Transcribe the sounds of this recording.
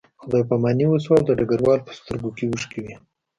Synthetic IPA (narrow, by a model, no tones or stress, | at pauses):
xd̪ɑjpamɑniwəs̬wawd̪əɖaɡaɾwɑlpə̥st̪əɾɡokewəʂkewi